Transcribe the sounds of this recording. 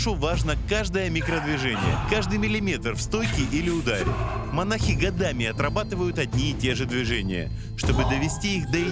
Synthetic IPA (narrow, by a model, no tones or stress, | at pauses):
ʂuvaʐnəkaʐd̪əjəmʲɪkɾəd̪vʲɪʐɛnʲɪ̰jə̰kaʐd̪ɨjmʲɪlʲɪmʲe̞t̪r̩fst̪o̞jkʲɪʔilʲɪʊd̪aɾʲɪ̰mɐnaxʲɪɡɐd̪amʲɪɐt̪rɐbat̪ɨvəjʊt̪ɐdʲnʲiːtʲe̞ʐɨd̪vʲɪʐɛnʲɪ̰jə̰ | ʂt̪o̞bɨd̪əvʲɪsʲtʲiixd̪əɪ